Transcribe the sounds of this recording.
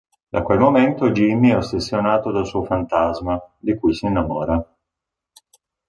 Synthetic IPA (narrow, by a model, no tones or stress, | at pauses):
d̪a̰kwelmoment̪od͡ʒimːiɛosesːjonaːt̪od̪alsuofant̪azmad̪ikujsiinːamɔːɾa